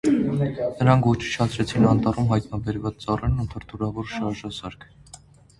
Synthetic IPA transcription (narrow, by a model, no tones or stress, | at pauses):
nəɾɑŋkʰvɔt͡ʃʰiʃʰɑt͡sʰɾɛt͡sʰinɑnt̪ɑrumɦɑjt̪nɑbɛɾvɑt͡st͡sɑrɛnunt̪ʰəɾt̪ʰuɾɑvɔɾʃɑɾʒɑsɑɾkʰ